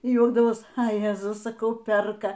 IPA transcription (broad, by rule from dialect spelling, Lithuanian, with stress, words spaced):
iː ˈjuɔɡdɐʋoːs ɐ ˈjæːzʊs sɐˈkɐʊ ˈpʲɛrkɐ